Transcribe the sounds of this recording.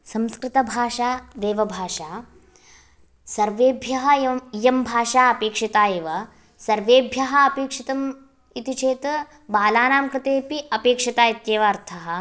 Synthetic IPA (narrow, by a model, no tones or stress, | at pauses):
sɐmskɾɪt̪ɐbʱaːʂaːd̪eːʋɐbʱaːʂaː | sɐɾʋeːbʱjɐɦɐjɐmbʱaːʂaːɐpeːkʂɐt̪aːjeːʋɐ | sɐɾʋeːbʱjɐɦɐ̆ɐpeːkʂit̪ɐm | it̪it͡ʃʰeːt̪ | baːlaːnaːmkɾɪt̪eːpiɐpeːkʂɐt̪aːjit̪jeːʋɐːɾt̪ʰɐɦɐ̆